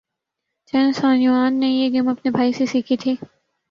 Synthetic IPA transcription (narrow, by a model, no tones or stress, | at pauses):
t͡ʃɛːnsãːnuʋaːnːẽjeːɡɐmɐpnebʱaːisesikʰet̪ʰeː